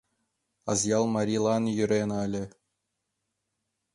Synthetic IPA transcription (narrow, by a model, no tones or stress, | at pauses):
ɑzjɑlˠmɑɾʲilˠɑnjyɾʲenɑlʲɘ̆